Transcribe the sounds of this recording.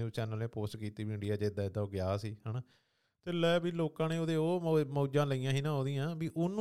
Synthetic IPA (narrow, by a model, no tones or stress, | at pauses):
eũːt͡ʃɛːnəlẽːpoːsʈkiːt̪iːʋiːɪ̃ɳɖijaːd͡ʒeːd̪aːɪd̪aːoːɡɪjaːsiːɦəːnaː | t̪eːləbiːloːkãːneːoːd̪eːoːmoːd͡ʒãːləiːãːɦiːnãːɦoːd̪iːãːbiːʔʊn